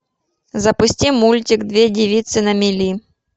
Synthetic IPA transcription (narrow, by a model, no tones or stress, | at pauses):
zɐpʊsʲtʲimulʲtʲiɡd̪vʲedʲivʲit̪sɨnɐmʲilʲi